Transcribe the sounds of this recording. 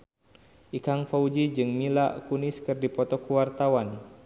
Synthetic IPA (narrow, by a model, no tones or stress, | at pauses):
ʔikaŋfaud͡ʒid͡ʒɨŋmila̰ʔkunɪskɨrdipɔt̪ɔkuwart̪awan